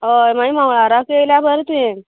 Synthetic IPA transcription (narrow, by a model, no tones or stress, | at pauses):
ɦəjmaimawɭaɾakejljabəɾt̪ẽ